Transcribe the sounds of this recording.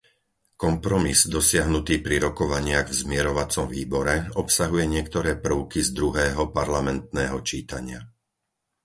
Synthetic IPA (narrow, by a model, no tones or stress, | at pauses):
kɔmpɾɔmizd̪ɔsɪaɦnut̪iːpɾiɾɔkɔʋaɲɪaɣvzmɪɛɾɔʋat͡sɔmʋiːbɔɾɛɔpsaɦujɛɲɪɛkt̪ɔɾɛːpr̩ʊkizd̪ɾuɦɛːɦɔpaɾlamɛnt̪̚nɛːɦɔt͡ʃiːt̪aɲɪa